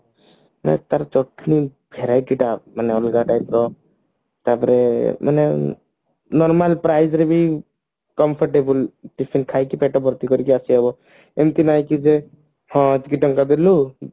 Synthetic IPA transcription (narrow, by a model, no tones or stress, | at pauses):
ma̰nɛ̰t̪aɾt͡ʃɔʈʰni | bʱeɾajʈiʈamaneɔlɡaʈajpɾɔ | t̪aɾpɔɾemʔa̰ne | nɔɾmalpɾajd͡ʒɾebi | kɔmpʰɔɾʈebulʈipʰinkʰajkipɛʈɔbɔɾt̪ikɔɾikiasiɔbɔ | emt̪inajkid͡ʒe | hɔ̃t̪ikiʈɔŋkad̪elu